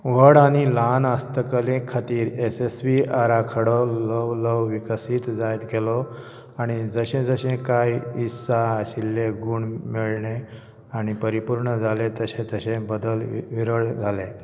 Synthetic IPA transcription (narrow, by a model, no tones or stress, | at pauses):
ʋəɽaɽ̃ilanast̪əkəlẽkʰːat̪iːɾesesʋiaɾakʰəɽoləʋləwʋikəsiːt̪d͡zajt̪ɡelɔ | aɽ̃id͡zəɕẽd͡zəɕẽkajisaɕilːeɡuːɳmiɭɳe | aɽ̃ipəɾipuɾɳəd͡zʱalet̪əɕẽt̪əɕẽbəd̪əlʋiɾəɭd͡zʱale